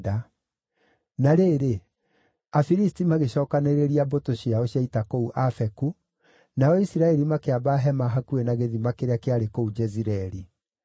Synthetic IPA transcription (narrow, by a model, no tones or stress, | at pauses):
da | naɾeːɾe | afiɾistimaɣeɕɔːkaneɾeɾiabotoɕiaoɕjaitakouʔafɛku | naɔisiɾaɛɾimakeabaɦɛmaɦakuenaɣeðimakeɾeakeaɾekoud͡ʒɛziɾɛɾi